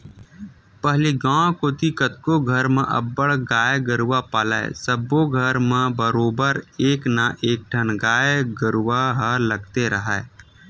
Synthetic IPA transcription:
pəɦleɡãːkoːt̪ikət̪koɡʱəɾmẽʔɐ̰bːəɽɡaːjɡəɾwapaːlaḛsəbːoɡʱəɾmẽbəɾoːbəɾeːknaʔeːk̚ʈʰənɡaːjɡəɾwaɦələɡt̪eɾəɦɛː

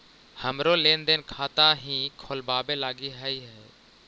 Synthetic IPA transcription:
həmɾoːleːnd̪eːnkʰaːt̪aɦĩːkʰoːlbaːbelaːɡiɦəiɦɛː

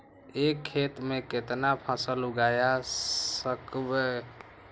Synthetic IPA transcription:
ekʰːet̪meket̪napʰasəluɡaja | əkbe

